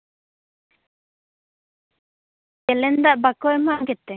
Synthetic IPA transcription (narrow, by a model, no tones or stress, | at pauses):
kɛlɛnd̪aʔbakɔɛmaʔɡɛt̪ːɛ